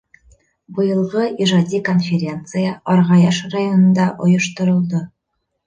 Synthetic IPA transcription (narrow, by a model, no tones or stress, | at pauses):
bɤ̆jɤ̆lˠʁɤʔiʒɑd̪ʲiko̞nfʲeɾʲe̞nt̪sɨjəɒɾʁɑjɑʃrajonɤ̆nd̪ɑʔŏjɤ̆ʃt̪ŏɾɤ̆lˠd̪ɤ